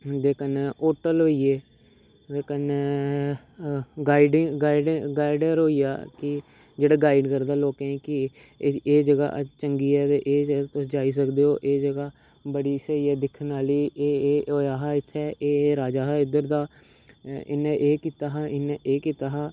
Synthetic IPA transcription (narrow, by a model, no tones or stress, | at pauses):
d̪eːkəneːʔoːʈəlɦoːieː | d̪eːkəne | ɡaːiɖɡaːiɖɡaːɪɖəɾɦoːija̰ːkɪ | d͡ʒeːɽaːɡaːɪɖkəɾd̪aːloːkẽːkɪ | eːd͡ʒəɡa̰ːʔt͡ʃəŋɡiːɛːt̪eʔeːd͡ʒəat̪ʊsd͡ʒaːiːs̬əkd̪eːɦoːʔeːd͡ʒəɡaː | bəɽiːsəiɛːd̪ɪkʰnaːliːʔeːɦoːjaːɦaːɪt̪ʰːɛːʔeːɾaːd͡ʒaːɦaːɪd̪əɾd̪aː | ɪ̰nẽʔeːkiːt̪aːɦaːɪnẽʔeːkiːt̪aːɦaː